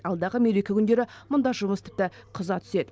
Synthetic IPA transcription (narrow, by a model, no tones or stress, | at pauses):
ɑlˠd̪ɑʁəmeɾekʲɪkʲʏnd̪e̞ɾɪmʊnd̪ɑʒʊməst̪ʰɪ̥p̚t̪ɪqʰəzɑt̪ʰʏ̥se̞d̪